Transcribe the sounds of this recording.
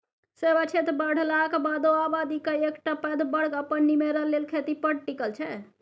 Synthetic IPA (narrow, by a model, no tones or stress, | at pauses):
sebat͡ʃʰet̪ɾbəɽ̤lakbad̪oabad̪ikəekʈapɛd̪bəɽ̤kəpənːimeɾəlːelkʰet̪ipəɽʈikəlt͡ʃʰɛ